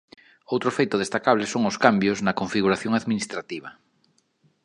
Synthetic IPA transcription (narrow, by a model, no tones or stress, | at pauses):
owt̪ɾofejt̪oð̞est̪akaβ̞lesoŋoskambjoznɐkoɱfiɣuɾaθjoŋaðminist̪ɾat̪iβ̞ɐ